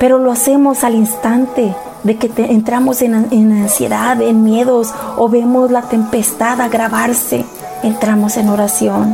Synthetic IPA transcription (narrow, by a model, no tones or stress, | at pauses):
pe̞ɾo̞loase̞mo̞salinst̪ant̪e̞ | ðe̞ke̞t̪eʔːnt̪ɾamo̞senaenansje̞̰ðaðenmje̞ðo̞s | oβe̞mo̞zlat̪e̞mpe̞st̪aðaɣɾaβaɾse̞̰ | ent̪ɾamo̞se̞no̞ɾasjo̞n